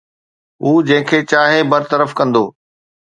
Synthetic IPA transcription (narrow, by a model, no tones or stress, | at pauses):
uːd͡ʑɐ̃ɦɪ̃kʰeːt͡ɕaːɦebɐɾt̪əɾəfkɐ̃nd̪oː